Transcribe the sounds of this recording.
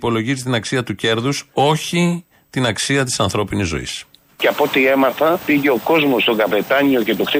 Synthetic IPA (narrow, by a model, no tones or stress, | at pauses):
po̞lo̞ʝist̪inɐksiɐt̪uce̞ɾðuso̞çi | t̪inɐksiɐt̪̬i̥sɐnθɾo̞pinizːo̞̰ḭs | ceɐpo̞t̪ie̞mɐθɐpiʝe̞oko̞zmo̞st̪o̞ŋɡɐve̞t̪ɐɲio̞cet̪oxɾi